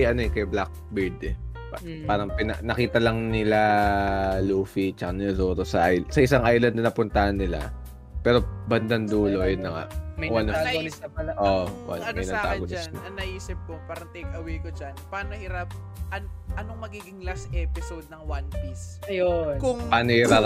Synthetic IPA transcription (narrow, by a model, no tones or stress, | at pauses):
ʔɐnoɛkɐjblak̚biɹd̪ɛppaːɾɐŋpɪnɐ̰nɐkiːt̪ɐlɐŋnɪla | luːfit͡ʃɐkɐnɪlasoːt̪osɐʔajsɐʔɪsaŋʔajlɐnd̪ɐnɐpʊnt̪ɐhɐnːɪla̰ | pɛːɾo̞bɐnd̪ɐnd̪uːloʔjʊnlɐŋa̰ʔmɐwanɐɐɐlɐʔoʔwa̰nɐmɐjnɐt̪aːɡoasnnɐɐnːɐʔiːsɪp̚kʊŋpaːɾɐŋt̪ɛkɐwɛjkod͡ʒanpaːnohɪɾap̚ | ʔɐnʔɐnoŋmɐɡiːɡɪŋlasʔɛpɪsowd̪̚nɐŋwanpisɐjokʊŋpaːnohɪɾa